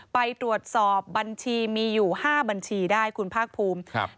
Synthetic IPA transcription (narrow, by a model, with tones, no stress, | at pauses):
pa˧jt̪ɾu˨˩ət̪̚sɔː˨˩p̚ba˧nt͡ɕʰiː˧miː˧juː˨˩haː˥˩ba˧nt͡ɕʰiː˧daː˥˩jkʰu˧npʰaː˥˩k̚pʰuː˧m